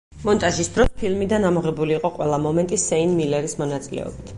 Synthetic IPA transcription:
mɔnt̪ʼaʒisd̪ɾɔspʰilˠmid̪anamɔʁɛbuliːqʼɔqʼwɛlˠamɔmɛnt̪ʼisɛinmilɛɾismɔnat̪sʼilɛ̰ɔ̰bit̪ʰ

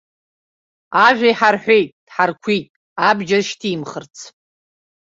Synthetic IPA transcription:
aʒʷᶣajħarħʷᶣejtʼd̥ħarkʷʰijtʼ | abd͡ʒaʃtʰimχərt͡sʰ

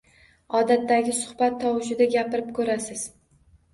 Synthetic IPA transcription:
ɒd̪at̪ːaɡʲɪsʊ̥hbat̪ʰːɒwɪʃɪd̪aɡʲapɪɾɪp̚kʰɵɾasɪz̥

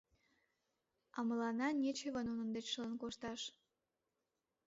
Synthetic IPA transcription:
ɑməlɑnɑnʲet͡ɕeβənunə̆nd̪et͡ɕʃələnkoʃt̪ɑʃ

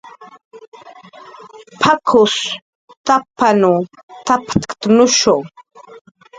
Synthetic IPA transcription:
pʰakʰʊs | t̪apanut̪apḁt̪kt̪nʊʃoŋ

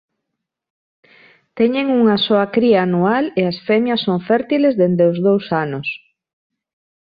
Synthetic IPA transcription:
t̪ɛɲeŋuŋɐsoɐkɾiaːnualeasfɛmjɐsːoŋfɛɾt̪ilezðend̪eʊzðowsanʊs

